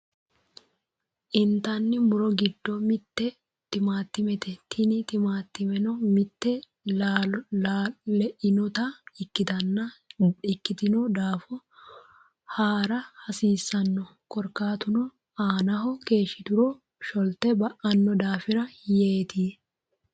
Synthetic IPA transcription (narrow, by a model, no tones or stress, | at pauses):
ʔɪnt̪ɐnːɪmʊɾɔɡɪd̪ːɔmɪt̪ːɛ | t̪ɪmaːt̪ːɪmɛt̪ɛt̪ʰɪnɪt̪ɪmaːt̪ːɪmɛnɔmɪt̪ːɛ | la | ɛʔɪnɔt̪ɐɪkːɪt̪ɐnːɐɪkːɪt̪ɪnɔd̪aːfɔ | haːɾɐhɐsiːsːɐnːɔ | kɔɾkaːt̪ʊnɔ | aːnɐɦɔke̞ːʃːɪt̪ʊɾɔ | ʃɔlt̪ɛbɐʔɐnːɔd̪aːfɪɾɐjeːt̪iː